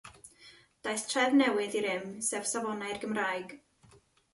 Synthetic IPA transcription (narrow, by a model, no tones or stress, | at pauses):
d̥ajstʰrɛvnɛwɪðiɾɪmsɛv̥savɔnarɡəmrajɡ̥